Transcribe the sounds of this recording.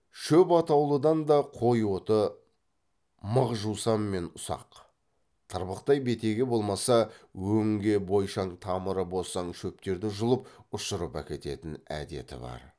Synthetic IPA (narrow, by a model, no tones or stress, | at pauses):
ʃɵpɑt̪ɑwlˠəd̪ɑnd̪ɑqʰo̞jwo̞t̪ə | məʁʒusɑmːe̞nʊsɑ̰q | t̪ʰəɾbəqt̪ɑjbe̞t̪e̞ɡʲe̞bo̞lˠmɑsɑwɵŋɡʲe̞bo̞jʃɑɴt̪ʰɑməɾəbo̞sɑɴʃɵp̚t̪e̞ɾd̪ɪʒʊlˠəp̚ʊʃəɾəpæ̰kʲe̞t̪e̞̰t̪ɪnæ̰d̪e̞̰t̪ɪ̰bɑ̰ɾ